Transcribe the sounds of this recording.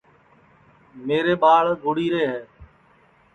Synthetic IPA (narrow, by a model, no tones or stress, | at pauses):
meːɾeːɓaːɭɡʱʊɽiːɾeːɦɛː